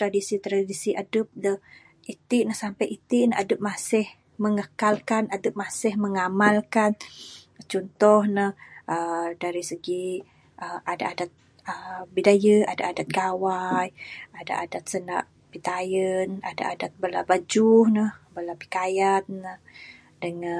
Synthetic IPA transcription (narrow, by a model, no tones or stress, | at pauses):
t̪ɾadisit̪ɾadisiʔadəp̚də | it̪ɪʔnəhsampajʔit̪iʔnəʔadəp̚masɪh | məŋəkalkanadəp̚masɪhməŋamalkan | t͡ʃɔnt̪ɔhnəhʔədaɾisəɡi | ʔəada̰ʔadat̪̚ | əbidajəada̰ʔadat̪̚ɡawajada̰ʔadat̪̚səna̰ʔ | pit̪ajəna̰da̰ʔadat̪̚bəlabad͡ʒuhnəhbəlapi̥kajannəh | dəŋa